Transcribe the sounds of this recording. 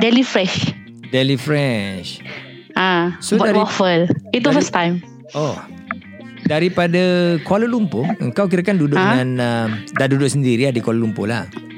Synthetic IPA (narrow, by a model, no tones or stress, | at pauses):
dɛlifɾɛʃ | dɛlifɾɛʃ | asodaɾifəlitɔfəstãjm | ʔɔ | daɾipadakwaləlumpoə̰ŋkawkiɾakandudʊʔŋãnəmdaʔdudʊʔsəndiɾiadikwaləlumpo̰la̰h